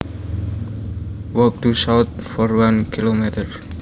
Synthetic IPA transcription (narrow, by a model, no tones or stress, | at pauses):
wɔk̚tusawt̪̚fɔrwankʰilomɛt̪ər